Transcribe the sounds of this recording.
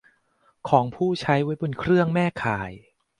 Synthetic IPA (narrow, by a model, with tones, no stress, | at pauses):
kʰɔː˩˦ŋpʰuː˥˩t͡ɕʰa˦˥jwa˦˥jbo˧nkʰɾɯ˥˩əŋmɛː˥˩kʰaː˩˦j